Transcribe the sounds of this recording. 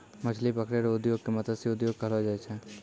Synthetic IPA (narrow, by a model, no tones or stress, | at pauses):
mɐt͡ʃʰlipəkʰɽeɾʊd̪joːɡ̚kemɐt̪əd̪seʊd̪joːɡ̚kɐɦlad͡ʒaet͡ʃʰɛ̃